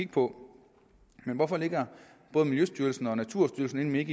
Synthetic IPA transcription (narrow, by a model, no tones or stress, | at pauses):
iɡ̥̚pʰɒ̽ | menʋɒfɒ̽le̝ɡ̥ɐ | b̥ɔ̽ːðˠmiljøsd̥yɐl̩sn̩ɒ̽næt͡sʰuɐ̰sd̥yɐlsn̩e̝nmee̝ɡ̥